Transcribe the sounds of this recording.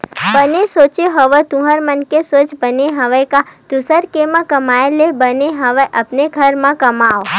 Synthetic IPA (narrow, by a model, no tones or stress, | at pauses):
bənesoːt͡ʃeɦəʋət̪ʊ̃ɦəɾmənkesoːt͡ʃbəneɦɐʋəkad̪̥ʊsəɾkemãkəmaːelebəneɦɐʋəʔɐpneɡʱəɾmãkɐmaːo